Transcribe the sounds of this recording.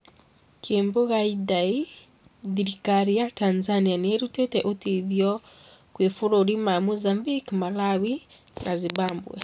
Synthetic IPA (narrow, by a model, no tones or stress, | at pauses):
kʰeːmboɣaidai | ðiɾikaɾiatanzanianeeɾutɛtɛʔotiðjɔ | kwefuɾoɾimamuzambikmalawi | nʔazibambwɛ̰